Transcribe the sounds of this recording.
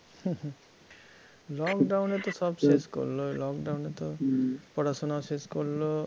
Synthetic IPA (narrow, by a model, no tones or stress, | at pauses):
h | lɔkɖawnet̪ʌsʌbsesko̰lːolɔkɖawnet̪ʌpʌɽasonaseskolːo